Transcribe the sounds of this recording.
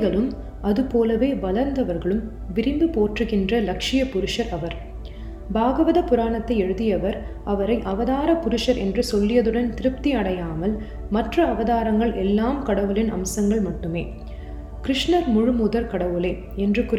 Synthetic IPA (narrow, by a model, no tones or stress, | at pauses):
ɣɐɭɯm | ʔɐðɯpoːlɐʋeːbɐlɐɾnd̪ɐʋɐɾɣɐɭɯm | ʋɪɾɪmbɯpoːʈrɯɣɪndrɐlɐkʂɪjɐpʊɾɯʂɐɾɐʋɐɾ | baːɣɐʋɐðɐpʊɾaːɳɐt̪ːɐɪɛɻɯðɪjɐʋɐɾ | ʔɐʋɐɾɐɪʔɐʋɐðaːɾɐpʊɾɯʂɐɾɛ̰ndrɯsɔlːɪjɐðɯɽɐnt̪ɪɾɯp̚t̪iɐɽɐjaːmɐl | mɐʈrɐːʋɐðaːɾɐŋɡɐɭʔɛlːaːmkɐɽɐʋɯlɪnʔɐ̰msɐŋɡɐɭmɐʈːɯmeː | kɾɪʂnɐɾmʊɻɯmʊðɐɾkɐɽɐʋɯleː | ɛndrɯkʊ